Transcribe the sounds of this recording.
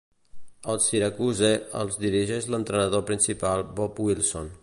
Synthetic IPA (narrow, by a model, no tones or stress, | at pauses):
əlˠsiɾəkuzeə̰lˠzd̪iɾiʒeʒlənt̪ɾənəðopɾinsipalˠbɔpwilˠso̰n